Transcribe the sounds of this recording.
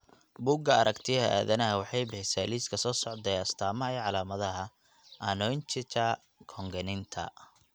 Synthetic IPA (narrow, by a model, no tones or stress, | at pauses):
buɡɐɐɾɐkt̪ʰɪɐa̰ːðɐnɐɦɐwɑħɑjbɛsaːliːskʰɐsɔːsɔʕd̪ɛjɐst̪ʰaːmɐɐɛʕɑlaːmɐðɐɦɐ | ʔɐnɔnt͡ʃɪt͡ʃɐ | kʰɔŋɡɐnɪnt̪ʰɐ̰